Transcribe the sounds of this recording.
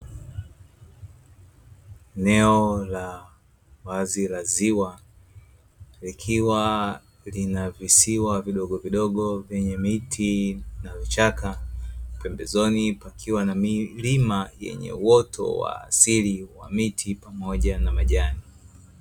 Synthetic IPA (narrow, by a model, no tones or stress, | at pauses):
ɛnɛɔla | wazilaziwa | likʰiwa | linavisiwaviɗɔɠɔviɗɔɠɔvjɛɲɛmitʰinavit͡ʃakapɛmbɛzɔnipakʰiwanamilimajɛ̰ɲɛ̰uwɔtʰɔ̰wa̰ːsiliwa̰mitʰipamɔʄanamaʄani